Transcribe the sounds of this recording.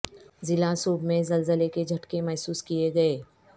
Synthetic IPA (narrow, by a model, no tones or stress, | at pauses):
zɪlasuːbmẽzɐlzəleked͡ʒʱɐʈkemɛːsuːskijeɡɐeː